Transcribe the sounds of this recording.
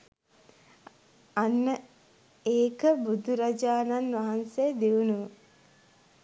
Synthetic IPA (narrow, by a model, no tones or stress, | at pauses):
anːə | eːkəbud̪ʱuɾad͡ʒaːnanʋaɦansed̪iunuʋə